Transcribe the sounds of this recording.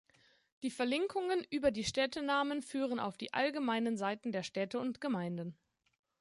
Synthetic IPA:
d̥iːfɛɐlɪŋkʰʊŋənʔyːbɐdiːʃtɛtənaːmənfyːʁ̞əna̰ʊfd̥ḭːʔa̰lɡəmaɪnənzaɪtn̩deːɐʃtɛtəʊntɡ̥əmaɪndən̩

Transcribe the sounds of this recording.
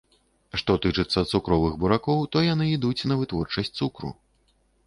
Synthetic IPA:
ʂt̪ɔt̪ɨt͡ʂɨt̪sːɐt̪sukɾɔvɨɣbuɾakɔwt̪ɔjanɨid̪ut͡sʲnɐvɨt̪vɔrt͡ʂɐsʲtʲt̪sukɾṵ

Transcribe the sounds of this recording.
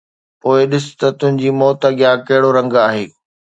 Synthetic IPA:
poːɪɗɪsʊ̥t̪ɐt̪ʊ̃ɦɪ̃ɲd͡ʑiːmɔːt̪aɡɪjakɐɦɪɽoɾɐ̃ŋɡaːɦeː

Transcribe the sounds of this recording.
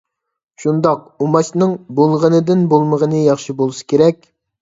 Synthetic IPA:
ʃund̪ɑq̚ | umɑt͡ʃnɨŋbolˠʁənɨd̪ɪnbolˠməʁənɨjɑχʃibolˠɨsɨ̥kʲeɾɛkʲ

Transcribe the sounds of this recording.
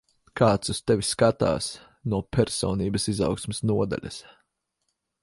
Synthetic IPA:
kaːt̪sust̪ɛviskat̪a̰ːs | nuɔpʲɛɾsɔːniːbɐsiza̰wksmesnuɔd̪a̰lʲɐ̰s

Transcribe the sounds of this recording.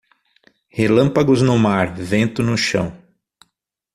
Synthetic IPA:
helɐ̃mpaɡʊznʊmaɾvẽnt̪ʊnʊʃɐ̰̃w̃

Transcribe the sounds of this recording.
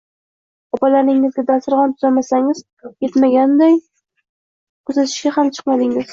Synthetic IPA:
ɒpalaɾnɪŋɪzɡʲad̪asɪɾʁɒnt̪ʰʊzamasaŋɪz | je̞t̪maɡʲand̪aj | kʰɵzat̪ʰɪ̥ʃkʲahamt͡ʃʰɨ̥qmad̪ɪŋɪz̥

